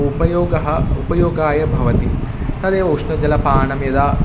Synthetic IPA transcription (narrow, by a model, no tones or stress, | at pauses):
upɐjoːɡɐɦɐupɐjoːɡaːjɐbʱɐʋɐt̪i | t̪ɐd̪eːʋɐːʂnɐd͡ʒɐlɐpaːɳɐmjɐd̪aː